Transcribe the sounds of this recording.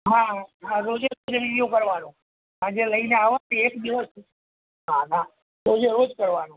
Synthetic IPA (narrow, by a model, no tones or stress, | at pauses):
ɦãɦãɾod͡ʒeɾod͡ʒninijõkəɾʋanõ | ad͡ʒeləineaʋat̪eekd̪iʋəs | ɦaɦã | ɾod͡ʒeɾod͡ʒkəɾʋanõ